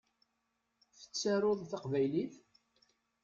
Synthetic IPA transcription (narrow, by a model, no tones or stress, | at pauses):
θə̥t͡sːaɾˤoðˤθɑqvæjliθ